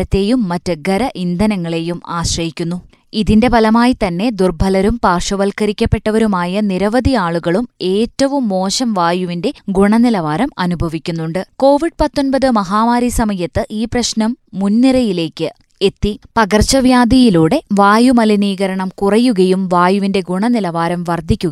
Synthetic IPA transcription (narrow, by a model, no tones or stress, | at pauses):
ɐt̪ːe̞ːjumːɐtːɨɡʱɐɾɐʔind̪ʱɐnɐŋːɐɭe̞juma̰ːɕrɐjikʲːun̪ːu | iðinde̞bɐlɐmaːjit̪ɐnːe̞d̪urbʱɐlɐɾumpaːrʂɐʋɐlkɐɾikʲːɐpːe̞ʈːɐʋɐɾumaːjɐniɾɐʋɐd̪ʱiaːɭuɣɐɭume̞ːtːɐʋumːo̞ːɕɐmʋaːjuʋinde̞ɡuɳɐnilɐʋaːɾɐmɐnubʱɐʋikʲːun̪ːuɳɖɨko̞ːʋiɖ̚pɐt̪ːo̞npɐðɨmɐɦaːʋaːɾisɐmɐjɐt̪ːɨʔiːprɐɕnɐmːunːiɾɐjile̞ːkːɨ | e̞t̪ːipɐɣɐrt͡ɕɐʋjaːd̪ijiluːɽe̞ʋaːjumɐliniːɣɐɾɐɳɐmkurɐjːuɣɐjumʋaːjuʋinde̞ɡuɳɐnilɐʋaːɾɐmʋɐrd̪ʱːikʲːuɣɐ